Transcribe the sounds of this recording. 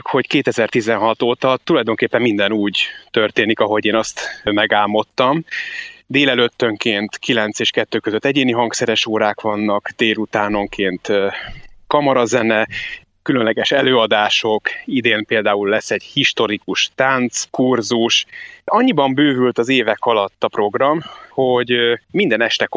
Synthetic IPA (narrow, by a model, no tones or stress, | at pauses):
kho̞ckeːt̪ɛzɛrt̪izɛnɦɒt̪oːt̪ɒt̪ːulɒjd̪o̞ŋkeːpːɛmːind̪ɛnuːɟt̪ørt̪eːnikɒɦo̞ɟeːnɒst̪mɛɡaːmo̞t̪ːɒmd̪eːlɛløt̪ːøŋkeːnt̪kilɛnt̪seːʃkɛt̪ːøːkøzøt̪ːɛɟeːniɦɒŋksɛɾɛʃoːɾaːkʋɒnːɒkd̪eːlut̪aːno̞ŋkʰeːnt̪ | kɒmɒɾɒzɛnɛ | kylø̞nlɛɡɛʃɛløːɒd̪aːʃo̞kid̪eːmpeːld̪aːulːɛsːɛɟhiʃt̪o̞ɾikuʃt̪ant̪skurzuʃɒɲːibɒmbøːvylt̪ɒzeːvɛkɒlɒt̪ːɒpro̞ɡrɒmho̞ɟmind̪ɛnɛʃt̪ɛk